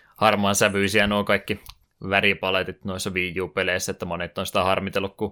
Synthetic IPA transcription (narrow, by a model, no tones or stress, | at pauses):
hɑrmɑnsæʋyisiænuːkɑikːi | ʋæripɑlet̪it̪noisːɑʋiːjuːpeleisːæet̪ːæmonet̪ːˑonsi̥t̪æhɑrmit̪elːukku